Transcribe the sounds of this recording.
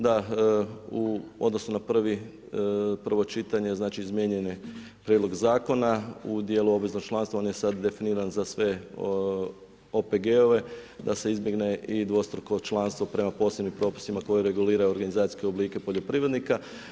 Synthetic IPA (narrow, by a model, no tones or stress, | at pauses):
d̪a | uo̞̰d̪no̞sunapr̩ʋi | prʋo̞t͡ʃit̪aɲe̞znaːt͡ʃiizmjeɲeni | pɾʲjed̪lo̞ɡzaːko̞naud̪jeluo̞bʋizno̞ɡ̚t͡ʃlˠanst̪ʋao̞nje̞sad̪d̪e̞finiːɾanzasʋe̞ | o̞pe̞ɡeo̞ʋe̞d̪ase̞izbje̞ɡne̞ʔid̪ʋo̞st̪ɾoko̞t͡ʃlˠanst̪ʋo̞pɾe̞mapo̞ːsebnimpɾo̞pi̥simako̞jiɾe̞ɡuliːɾajuo̞ɾɡanizaːt̪i̥skeo̞bliːke̞po̞ʎo̞pɾiʋɾe̞d̪nika